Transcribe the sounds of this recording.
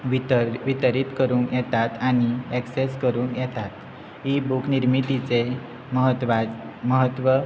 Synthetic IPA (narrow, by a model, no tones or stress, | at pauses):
ʋit̪əɾit̪kəɾuːŋkjɛt̪at̪aɽ̃iɛkseskəɾuːŋkjɛt̪at̪ | ibukniɾmit̪it͡se | məɦəʋaməɦət̪ʋə